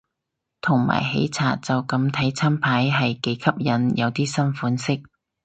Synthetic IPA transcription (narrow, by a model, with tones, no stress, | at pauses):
t̪ʰʊ˨˩ŋma̰ː˨˩jɦḛ˨˥jt͡sʰaː˨˩t̚t͡sɐ˨wkɐ˨˧˥mt̪ʰɐ˨˥jt͡sʰaː˥mpʰaː˨˥jɦɐ˨jke˨˥jkʰɐ˥p̚jɐ˨˧njʔɐ˨˧wt̪iː˥sɐ˥nfuː˨˥nsɪ˥k̚